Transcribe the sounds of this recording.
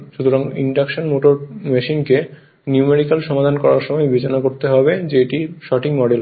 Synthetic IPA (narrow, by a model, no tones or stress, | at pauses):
ʃut̪ʰoɾaŋḭɳɖakʃonmoʈoɾmeʃinke | niumeɖikalʃɔmad̪ʱankɔɾaɾʃɔmɔebʱet͡ɕonakoɾt̪eɦɔbed͡ʑeeʈiʃɔʈiŋmɔɖel